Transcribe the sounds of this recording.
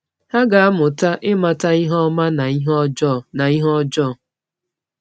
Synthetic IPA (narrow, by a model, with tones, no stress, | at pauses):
ha˦ɡa˨a˦mʊ˨ta˦ʔɪ˦ma˨ta˦i˦ɦɔ˦ma˦na˨i˦ɦd͡ʒɔ˦˨na˨i˦ɦɔ˦d͡ʒɔ˦˨